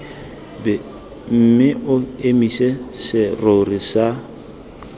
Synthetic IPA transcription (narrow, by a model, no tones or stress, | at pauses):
bɛ | m̩mɪʔʊemisesɪrorisa